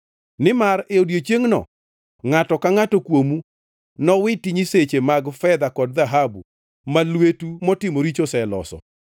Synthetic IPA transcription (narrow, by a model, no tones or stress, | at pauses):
nɪmareodjet͡ʃeŋnɔ̰ | ŋatɔkaŋatokwomu | nɔwɪtiɲiset͡ʃemaɡfɛd̪akɔd̚ðaɦabu | malwetumɔtɪmoɾit͡ʃosɛlɔ̰sɔ̰